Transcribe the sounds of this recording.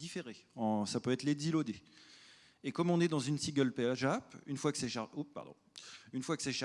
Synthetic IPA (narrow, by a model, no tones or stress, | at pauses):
d̪ifeʁeɑ̃sapøɛt̪led̪zilod̪e | ekɔmɔ̃nɛd̪ɑ̃zynsiɡʲœlpeaʒapynfwakə̥sɛʃaupːa̰ʁd̪ɔ̰̃ynfwakə̥sɛʃa